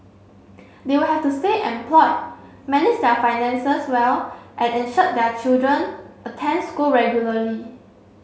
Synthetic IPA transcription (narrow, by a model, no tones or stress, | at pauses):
dewulhɛftusteʔɛ̃npʰlɔt̚ | mɛnɪd͡ʒdɛfaɪjnɛ̃nsəswɛlʔɛ̃nɛ̃nʃət̚dɛt͡ʃildɹə̃nʔətʰɛ̃nskulɹɛɡjuləli